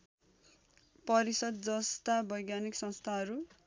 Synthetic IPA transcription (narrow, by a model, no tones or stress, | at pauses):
pʌɾisʌd̪̚d͡zʌst̪abʌjɡjaniksʌ̃nst̪ʰaɦʌɾu